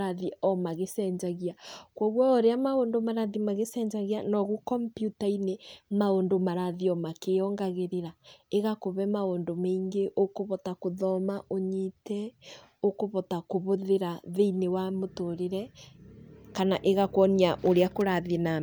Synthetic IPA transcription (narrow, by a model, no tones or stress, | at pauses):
ɾaðiɔmaɣesɛːɲd͡ʒaɣiakwɔɣwɔoɾeamaoːndomaɾaðimaɣesɛɲd͡ʒaɣianɔɣukɔmpjutainemaondomaɾaðiɔmakeɔŋɡaɣeɾeɾaeɣakoβɛmaoːndomeiŋɡeʔokoβɔtakoðɔmaʔoɲitɛ | okoβɔtakoβoðeɾaðeinewamotoɾeɾɛ | kanaʔeɣakwɔniaʔoɾeakoɾaðina